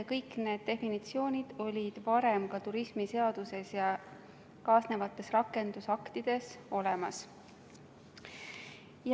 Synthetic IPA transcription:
kɤjkːne̞ːd̪̥̚ːe̞finit̪sio̞ːnʲid̪̥o̞lʲid̪̥vɑɾe̞mkɑt̪uɾismise̞ɑd̪̥use̞sjɑ | kɑːsne̞vɑt̪ːˑe̞srɑkːˑe̞nd̪̥usɑkt̪id̪̥e̞so̞lemɑs | j

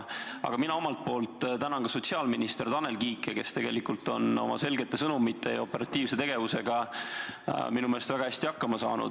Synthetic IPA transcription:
ɑ̰ɡ̥ɑminɑo̞mɑlt̪̚po̞ːlt̪ˑt̪ænɑnkɑso̞tsiɑːlminist̪e̞rt̪ɑne̞lkiːkːˑe̞ke̞st̪e̞ɡ̥e̞likult̪o̞no̞̰mɑ̰se̞lɡe̞t̪ˑːe̞sɤnumit̪ːˑe̞jo̞pːˑe̞ɾɑt̪ːˑiːvse̞t̪e̞ɡ̥e̞vuse̞ɡ̥ɑ | minumeːlest̪væɡ̥ɑæsʲt̪ihɑkːɑmɑsɑ̰ːnṵd̪̥

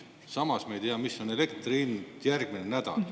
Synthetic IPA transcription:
sɑmɑsmɑejt̪eɑmisːo̞ne̞lekt̪rint̪jærɡ̥minenæd̪̥ɑ̰l

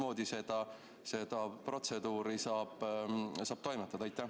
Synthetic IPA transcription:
mo̞ːd̪̥ise̞d̪̥ɑ | se̞d̪̥ɑpro̞t̪se̞d̪uːɾisɑːb̥sɑːb̥t̪o̞jmet̪ːˑɑd̪̥ɑjt̪ˑːæ

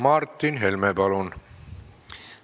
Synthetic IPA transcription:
mɑrt̪ːinɦelmepɑlun

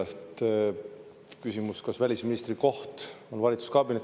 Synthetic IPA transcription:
et̪ | kysimuskɑsvælʲisminist̪riko̞ht̪onvɑlʲit̪su̥skɑbine

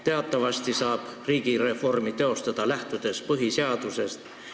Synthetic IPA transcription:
t̪e̞ɑt̪ˑːɑvɑst̪isɑːb̥riːɡ̥iɾe̞fo̞rmit̪e̞o̞st̪ɑd̪̥ɑlæht̪ud̪̥e̞spɤɦiseɑd̪̥use̞st̪

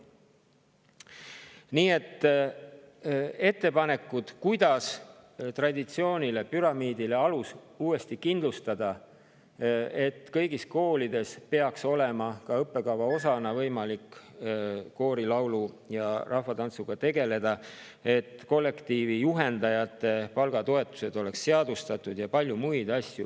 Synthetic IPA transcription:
niːe̞t̪ː | e̞t̪ːe̞pɑne̞kːˑud̪̥kujd̪̥ɑst̪rɑd̪it̪sio̞ːnʲile̞pyɾɑmiːd̪̥ile̞ɑlus | uːe̞st̪ikind̪lust̪ɑd̪̥ɑ | e̞t̪ːˑkɤjɡisko̞ːlid̪̥e̞spe̞ɑkso̞le̞mɑkɑɤpːe̞kɑwvɑo̞sɑnɑvɤjmɑlikː | ko̞ːɾilɑwlu | jɑrʔɑhfvɑt̪ɑnt̪suɡ̥ɑt̪e̞ɡe̞le̞d̪̥ɑ | e̞t̪ːˑko̞lːe̞kt̪iːvijuɦe̞nd̪ɑjɑt̪ːˑe̞pɑlɡ̥ɑt̪o̞e̞t̪ːˑu̥se̞d̪̥o̞le̞ksːeɑd̪̥ust̪ɑt̪ːˑud̪̥jɑpɑlʲjumujd̪̥ɑsʲju

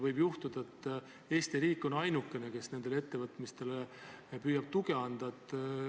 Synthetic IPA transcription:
vɤjbjuht̪ud̪̥ɑet̪ː | e̞ːst̪iɾiːkːˑo̞nɑjnukːˑe̞ne̞ke̞sne̞nd̪e̞le̞t̪ːe̞vɤt̪ˑmist̪e̞lepyːjɑb̥̚t̪uɡe̞ɑnd̪̥ɑt̪ːˑ

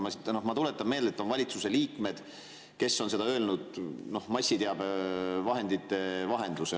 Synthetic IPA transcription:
mɑsit̪nohmɑt̪ule̞t̪ːˑɑmmeːld̪et̪ːˑonvɑlʲit̪suse̞liːkme̞d̪̥ | ke̞sːo̞nse̞d̪ɑø̞lnud̪̥no̞hmɑsʲːit̪eɑb̥vɑɦe̞nd̪it̪ːe̞vɑɦe̞nd̪luse

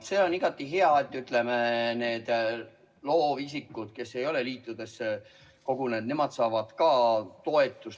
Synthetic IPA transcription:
se̞ːo̞niɡ̥ɑt̪ːˑiɦeɑet̪ːˑyt̪ˑle̞mene̞ːd̪̥ | lo̞ːvis̬ikːˑud̪̥ke̞sːe̞jo̞le̞liːt̪ːˑud̪̥e̞sːe | ko̞ɡ̥une̞ːd̪ne̞mɑd̪sɑːvɑd̪̥kɑːt̪o̞e̞t̪ːˑus

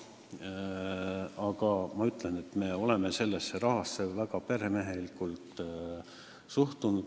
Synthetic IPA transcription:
ɑɡɑmɑyt̪ːˑlenet̪me̞ːo̞le̞mese̞lːesːe̞ɾɑɦɑsːe̞væɡɑpe̞ɾeme̞ɦe̞likːˑult̪ | suht̪unud̪̥

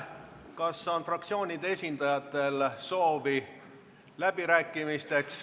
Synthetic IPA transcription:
kɑsːonfrɑk̚t̪sio̞ːnʲid̪̥eesʲind̪ɑjɑt̪ːˑe̞lso̞ːvi | læb̥iɾæːkˑːimist̪e̞ks

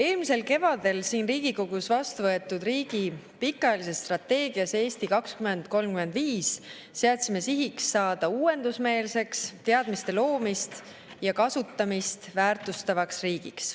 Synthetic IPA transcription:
e̞ːlmise̞lke̞vɑd̪̥e̞lsiːnriːɡ̥iko̞ɡ̥usvɑst̪uvɤ̞e̞t̪ːud̪riːɡ̥ipikːˑɑjɑlise̞sːt̪rɑt̪ːe̞ːɡiɑse̞ːst̪ikɑkskyme̞nd̪̥ko̞lmkyme̞nd̪viːsː | eɑt̪ʲsime̞siɦiksːɑːd̪̥ɑuːwe̞nd̪usme̞ːlse̞kst̪e̞ɑd̪̥mist̪e̞lo̞ːmist̪ | jɑkɑsut̪ːˑɑmist̪væːrt̪ˑust̪ɑvɑksriːɡ̥iks

